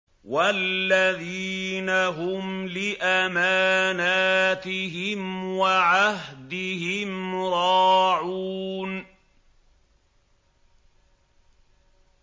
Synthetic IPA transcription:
walːaðiːnaɦʊmlɪʔamaːnaːt̪ɪɦɪmwaʕaɦd̪ɪhɪmɾˤɑːʕuːn

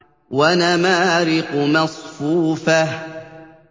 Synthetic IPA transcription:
wanamaːɾɪqʊmɑsˤfuːfah

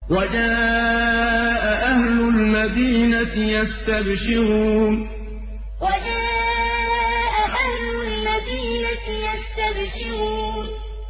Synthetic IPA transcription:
wad͡ʒaː | ʔaʔahlʊlmad̪iːnajast̪abʃɪɾuːn | wad͡ʒaː | ʔaʔahlʊlmad̪iːna | jast̪abʃɪɾuːn

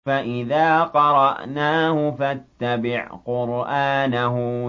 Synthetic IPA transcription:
aʔɪðaːqɑɾˤɑʔnaːhʊfat̪ːabɪʕqʊɾʔaːnaɦʊ

